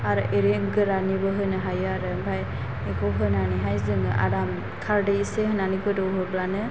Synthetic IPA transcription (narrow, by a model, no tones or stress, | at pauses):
aɾɯʔeɾeɡɯɾanibɯɦɯnɯɦajaɾɯbʰʱaj | ekɔɦɯnaniɦajzɯŋɯʔa̰ɾam | kʰaɾdeseɦɯnanikɯdɯɦɯblanɯ